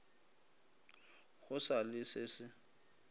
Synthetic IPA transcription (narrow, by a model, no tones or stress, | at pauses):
ɣʊsalɪsɪsɪ